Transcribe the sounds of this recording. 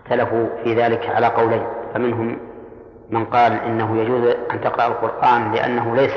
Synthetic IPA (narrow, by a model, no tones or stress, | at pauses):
xt̪alafufiːðaːlɪkʕalaːqɑwlajnfamɪnɦʊmː | ɪnqɑːlʔɪ̰nːaɦʊjad͡ʒuːzʔant̪ɪqɾˤɑʔalqʊɾʔaːnlɪʔa̰nːaɦʊlajs